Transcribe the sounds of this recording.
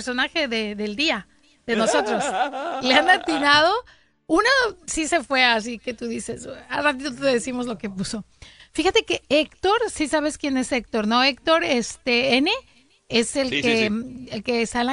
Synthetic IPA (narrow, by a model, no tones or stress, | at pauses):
ɾso̞naxe̞ðe̞ðe̞ld̪ia | ðe̞no̞so̞t̪ɾo̞sleanat̪inaðo̞ | unasise̞fwe̞as̬ike̞t̪uðise̞sa̰rat̪it̪ot̪eðesimo̞zlo̞ke̞puso̞ | fixat̪e̞ke̞ekt̪o̞ɾsisaβ̞e̞skje̞ne̞sekt̪o̞ɾno̞ek̚t̪o̞ɾest̪eene̞ | ese̞lkeelkesala